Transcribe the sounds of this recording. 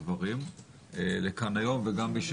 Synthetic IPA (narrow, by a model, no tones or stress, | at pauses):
vaʁim | elekanajo̞mveɡambiʃ